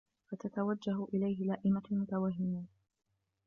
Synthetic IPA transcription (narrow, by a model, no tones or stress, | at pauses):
fat̪at̪awad͡ʒːaɦʔɪlajɦɪlaːʔɪmamʊt̪awaɦːɪmiː